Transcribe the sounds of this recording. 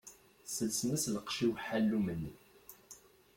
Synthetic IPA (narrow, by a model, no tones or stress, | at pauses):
səlsnæsləqʃiwħalːumənːi